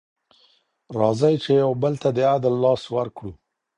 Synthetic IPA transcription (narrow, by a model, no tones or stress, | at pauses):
ɾɑzajt͡ʃejawbəlt̪ad̪əad̪alːɑswaɾkɽu